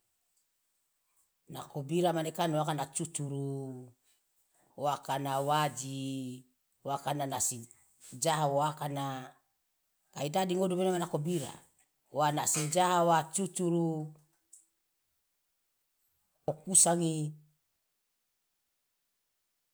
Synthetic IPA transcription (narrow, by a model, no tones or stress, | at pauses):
na̰kobiɾamanekanoakanat͡ʃut͡ʃuɾu | oakanawad͡ʒi | woakananasi | d͡ʒaɦawoakana | kaidadiŋodubenomanakobiɾa̰ | wanasid͡ʒaɦawat͡ʃut͡ʃuɾu | okusaŋi